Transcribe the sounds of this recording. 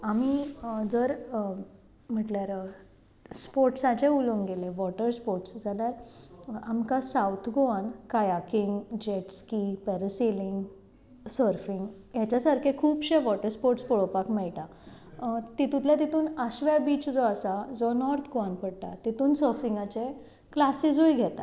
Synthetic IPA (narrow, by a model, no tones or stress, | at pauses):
amid͡zəɾ | m̤əʈljaɾ | spoɾʈsat͡ɕẽulõŋɡeleʋɔʈəɾspoɾʈsd͡zaljaɾamkasawt̪ʰɡoankajakiŋɡd͡ʑeʈskipɛɾəseliŋɡ | səɾfiŋɡ | jat͡ɕjasaɾkʰekʰuːpɕẽʋɔʈəɾspoɾʈspɔɽopakmɛɭʈa | t̪it̪ũt̪ljat̪it̪ʰuːnaɕʋjabiːt͡sd͡zɔasad͡zɔnɔɾt̪ʰɡoanpəɽt̪a̰t̪it̪ʰuːnsəɾfiŋɡat͡ɕe | klasid͡zujɡʱɛt̪a̰